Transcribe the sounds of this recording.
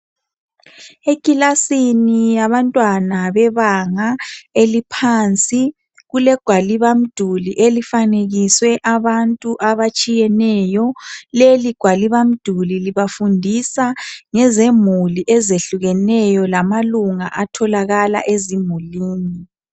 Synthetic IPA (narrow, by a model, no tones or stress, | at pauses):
ekʼilasinijaβantʼwanaβɛβaŋaelipʰant͡sʼi | ɣulɛɡ̥ʱwaliβam̩d̥ʱuliʔelifaneɣiswɛʔaβantʼuʔaβat͡ʃʼijɛnɛjɔleliɡ̥ʱwaliβam̩d̥ʱuliliβafundʱisaŋɛzemuliʔɛzeɬuɣɛnɛjɔlamaluŋa̰ʔatʰɔlaɣala̰ʔezimuliːni